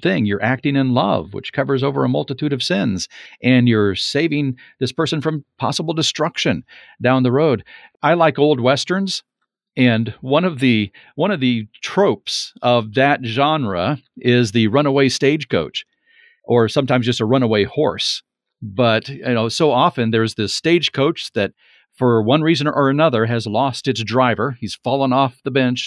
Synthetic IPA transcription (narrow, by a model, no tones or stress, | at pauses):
θɪ̃ŋjə˞ʔæk̚tɪ̃ŋɨ̃nlʌ̰vwə̰t͡ʃkʰʌvə˞zoʊvə̰˞əmʌlˠtɨtʰʉɾʌv̥sɪ̃nzʔɨ̃njə˞seɪvɪ̃ŋ | ðɪspʰɜ˞snfɹʌ̃mpʰɑ̰səbl̩ˠdɨstɹ̥ʌkʃɨ̃n | dãʊ̃nðɨɹoʊdaɪlaɪkoʊlˠd̚wɛstə̃˞nz̥ | ɨ̃nwʌ̃nʌvðɨ | wʌ̃ɾ̃ʌvðɨtʰɹ̥oʊpsʌvðɨt̚ʒ̥ɑ̃nɹə̰ɪzðɨɹʌ̃nəweɪsteɪd̥ʒ̥kʰoʊt͡ʃ | ʔə˞sʌ̃mtʰãɪ̃mzd͡ʒʌstəɹʌ̃ñəweɪhɔ̰ɹs | b̥ʌtɨnoʊsoʊɑfɨ̃nðə˞zðɨsteɪd̥ʒ̥kʰoʊt͡ʃðɨt̚ | fə˞wʌ̃nɹizɨ̃nʔə˞ɨnʌðə˞ɨzlɔstɨtsdɹaɪvə˞iz̥fɑlˠə̃ŋɔfðəbɛ̃nt͡ʃ